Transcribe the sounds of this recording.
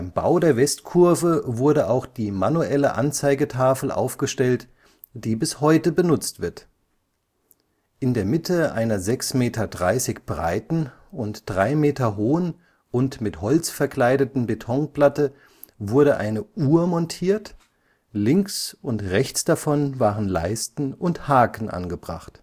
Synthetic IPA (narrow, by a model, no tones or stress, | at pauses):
aɪmba̰ʊdeːɐvɛstkʰʊɐvəvʊɐɾəʔaʊxd̥iːmanuʔɛləʔa̰nt͡saɪɡətʰaːfl̩ʔa̰ʊfɡ̥əʃtɛlt | d̥iːbɪshɔʏtəbənʊt͡stv̥ɪɐt | ʔɪndeːɐmɪtʰəʔa̰ɪnɐzɛksmeːtɐdʁa̰ɪsɪçb̥ʁa̰ɪtn̩ | ʊntd̥ʁaɪmeːtɐɦoːən | ʔʊntmɪthɔlt͡sfɛɐkl̥aɪɾətn̩betʰɔŋplatə | vʊɐɾəʔa̰ɪnəʔuːɐmɔntʰiːɐt | lɪŋksʊntʁɛçt͡sd̥afɔnvaːʁənla̰ɪstn̩ʊnthaːkn̩ʔa̰nɡəbʁa̰χt